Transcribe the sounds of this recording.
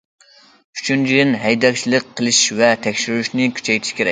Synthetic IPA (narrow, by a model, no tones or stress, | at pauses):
yt͡ʃʰynt͡ʃʰid̪ɪnɦɛjd̪ɛk̚ʲt͡ʃʰilˠɨqqʰːəlˠɨʃvɛt̪ʰɛkʲʃyɾyʃnɪkʲʰy̥t͡ʃʰɛjt̪ʰɪ̥ʃkʲʰeɾɛ̰k̚ʲ